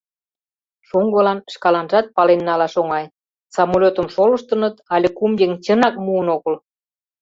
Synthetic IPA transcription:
ʃuŋɡɤ̆lɑnʃkɑlɑnʒɑt̪̚pɑlenːɑlɑʃoŋɑj | sɑmolʲot̪ə̆mʃolə̆ʃt̪ənɤt̪ɑlʲekumjeŋt͡ɕənɑk̚muənoɣəl

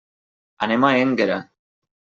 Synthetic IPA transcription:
anemaeŋɡeɾa̰

